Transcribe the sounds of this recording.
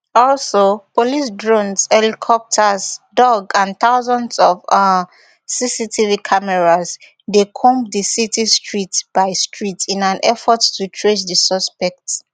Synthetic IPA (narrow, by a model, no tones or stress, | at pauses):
ɔlsopʰolis̬dɹõnsɛlikʰɔp̚tʰazdɔɡãnθaʊzɔ̃ndsɔva | sisitʰivikʰamɛɹaz | dekʰõmdisitʰistɹitb̥aɪstʰɹitʰĩnãnʔɛfɔttːutʰɹesdəsɔspɛk̚t